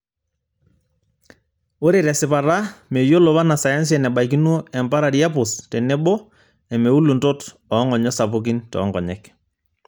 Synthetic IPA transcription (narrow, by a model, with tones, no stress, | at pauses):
o˦ɾe˨ɾɛ˨sɪ˨pa˨ɾa˦me˨jo˦lo˨βa˦na˨sa˨ja˦ns̬iɛ˨nɛ˨ɓa˨ik̬i˦nu˦ɛ˨mpa˦ɾa˨ɾi˦a˦pʊ˨stɛ˨nɛ˦bɔ˦ | ɛ˨me˨u˦lu˨nto˦t | ɔ˨˦ŋɔ˨ɲɔ˦sa˨pʊ˦k̬i˦ntɔ̰ː˦ŋɡɔ˨ɲɛ˦k